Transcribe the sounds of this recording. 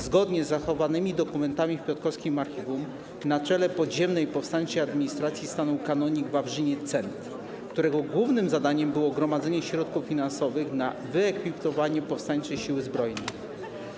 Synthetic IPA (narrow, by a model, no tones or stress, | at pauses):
zɡɔd̪ɲɛzːaxɔvanɘmʲid̪ɔkumɛnt̪amʲifpʲɔt̪kɔfskʲimaɾxʲivum | nat͡ʂɛlɛpɔdʑɛmnɛjpɔfst̪aɲt͡ʂɛjad̪mʲiɲist̪ɾat̪sʲjist̪anuwkanɔɲiɡvavʐɘɲɛt̪sɛnt̪ | kt̪uɾɛɡɔɡwuvnɘmzad̪aɲɛmbɘwɔɡɾɔmad̪zɛɲɛɕɾɔt̪̚kufːʲinansɔvɘxna | vɘɛkfʲipt̪ɔvaɲɛpɔfst̪aɲt͡ʂɛjɕiwɘzbɾɔjnɛj